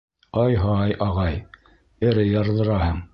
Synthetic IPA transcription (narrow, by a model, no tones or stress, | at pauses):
ɑjɦɑjʔɑʁɑj | ɘ̆ɾɘjɑɾðˠɤ̆ɾɑhɤɴ